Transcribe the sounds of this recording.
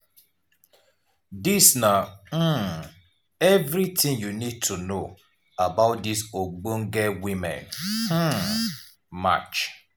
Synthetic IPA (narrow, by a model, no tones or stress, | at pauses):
disna | ɛvɾitʰɪ̃ŋjunid̚tʰuno | abaʊt̚disoɡ͡bũŋ̩ɡɛwimɛ̰̃n̩ | ma̰t͡ʃ